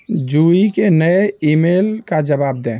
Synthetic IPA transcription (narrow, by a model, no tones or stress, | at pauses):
d͡ʒuikenəjimelkad͡ʒəbab̚d̪ɛ̃